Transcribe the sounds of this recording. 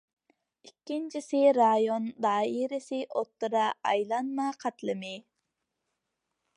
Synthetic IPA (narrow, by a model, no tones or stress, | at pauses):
ikʲːint͡ʃʰisɪɾɑjond̪ɑːiɾɪsɪʔot̪ːɨɾɑːjlˠɑnmɑqʰɑt̪lˠɨmɪ